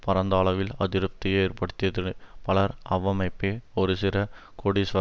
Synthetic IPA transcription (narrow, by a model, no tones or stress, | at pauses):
pɐɾɐnd̪aːɭɐʋɪlɐðɪɾɯp̚t̪ɪjeːrpɐɽɯt̪ːɪjɐðɪpɐɭɐɾɐʋɐmɐɪpːeɔɾɯsɪɾɐ | koɽisʋɐ